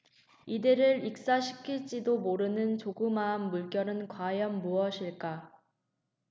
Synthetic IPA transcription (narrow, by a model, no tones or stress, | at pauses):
idɯɾɯɾik̚s͈aɕʰi̥kʰiɭt͡ɕ͈idomoɾɯnɯnt͡ɕoɡɯmanːuɭk͈jʌɾɯnkwajʌnmuʌɕʰiɭk͈a